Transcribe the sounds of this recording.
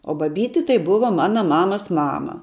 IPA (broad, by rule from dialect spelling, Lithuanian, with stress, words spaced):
oː bɐˈbʲiːtʲɪ tɐɪ ˈbʊʋɐ ˈmɑːnɐ ˈmɑːmɐs ˈmɑːmɐ